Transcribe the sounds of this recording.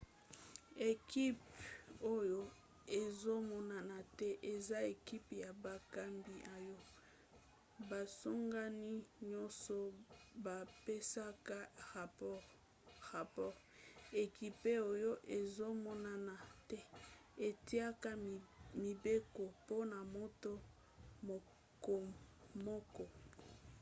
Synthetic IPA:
e˨ki˦po˦jo˦ | e˨zo˦mɔ˦na˨na˨tɛ˦ʔe˨za˦e˨ki˦pja˨ba˨ka˦mbi˨ʔa˨jɔ˦ | ba˨so˦ŋɡa˦ni˦ɲɔ˦sɔ˦ba˨pe˦sa˦ka˦˨ | ʁa˨pɔ˦ʁ | e˨ki˦pe˦o˦jo˦ʔe˨zo˦mɔ˦na˦na˨tɛ˦ | e˨ti˦a˦ka˦mi˨be˦ko˨po˦na˨mo˦to˦ | m˨ | ko˨mɔ˦kɔ˦

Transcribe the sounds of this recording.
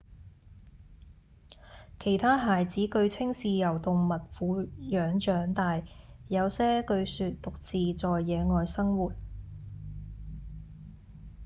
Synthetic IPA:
kʰe˨˩jt̪ʰaː˥ɦaː˨jt͡siː˨˥kɵ˧ɥt͡sʰɪ˥ŋsiː˧jɐ˨˩wt̪ʊ˨ŋmɐ˨t̚fuː˨˧˥jœː˨˥ŋt͡ʃœː˨˥ŋt̪aː˨jjɐ˨˧wsɛː˥kɵ˧ɥsyː˨˧t̚t̪ʊ˨k̚t͡siː˨t͡sɔː˨jːɛː˨˧ŋɔː˨jsɐ˥ŋwuː˨˩t̚

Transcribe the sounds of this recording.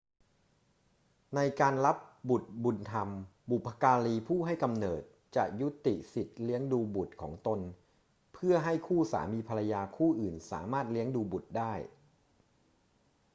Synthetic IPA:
na˧jkaː˧nla˦˥p̚bu˨˩t̪̚bu˧nt̪ʰa˧mbu˨˩pʰːa˧kaː˧liː˧pʰuː˥˩ɦa˥˩jka˧mnɤː˨˩t̪̚t͡ɕa̰˨˩ʔju˦˥t̪i˨˩si˨˩t̪̚li˦˥əŋduː˧bu˨˩t̪̚kʰɔ̰ː˩˦ŋt̪o˧n | pʰɯ˥˩ɐɦa˥˩jkʰuː˥˩sa̰ː˩˦miː˧pʰa˧la˧jaː˧kʰuː˥˩ʔɯː˨˩nsa̰ː˩˦maː˥˩t̪̚li˦˥əŋduː˧bu˨˩t̪̚daː˥˩j

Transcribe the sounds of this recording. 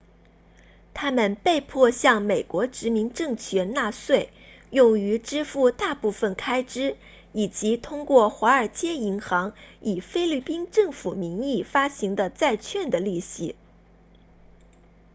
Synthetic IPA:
t̪ʰa˥mə˨npe˥˧ɪpʰwɔ˥˧ɕjɑ˥˩ŋme˨˩ɪkwɔ˧˥ʈ͡ʂɻ̩˧˥mi˧˥ŋʈ͡ʂɤ˥˧ŋt͡ɕʰɥɛ˧˥na˥˧swe˥˩ɪ | jʊ˥˩ŋy˧˥ʈ͡ʂɻ̩˥fu˥˧t̪a˥˧pu˥˩fə˨˩nkʰa˥ɪʈ͡ʂɻ̩˥ | i˨˩t͡ɕi˧˥t̪ʰʊ˥ŋkwɔ˥˩xwa˧˥ə˞˨˩t͡ɕjɛ˥i˧˥ŋxɑ˧˥ŋi˨˩fe˥ɪli˥˩pi˥nʈ͡ʂɤ˥˩ŋfu˨˩mi˧˥ŋi˥˩fa˥ɕi˧˥ŋd̪ə˧t͡sa˥˧ɪt͡ɕʰɥɛ˥˩nd̪ə˩li˥˩ɕi˧˥

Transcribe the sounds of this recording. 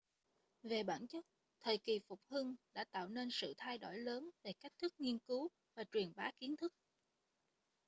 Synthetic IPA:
ve˨˩ɓaː˧˩nt͡ɕə˦˥t̚ | t̪ʰəː˨˩jki˨˩fʊ˨˩k͡p̚hɨ˧ŋɗa̰ː˧˥t̪a̰ː˧˨wne˧nsɨ̰˧˨t̪ʰa˧jɗo̰˧˩jləː˨˦nve˨˩ka˦˥k̟̚t̪ʰɨ˦˥k̚ŋi˧ənkɨ˨˦w | vaː˨˩t͡ɕwi˨˩ənɓaː˨˦ki˨˦ənt̪ʰɨ˦˥k̚

